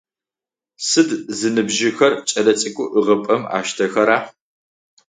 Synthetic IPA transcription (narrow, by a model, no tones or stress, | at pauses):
sɨdzɨnɨbʒɪxɐrt͡ʃʼɐlɐt͡sʼɪkʷʼʊʔɨʁɐpʼɐma̰ːʃtʰɐxɐɾaː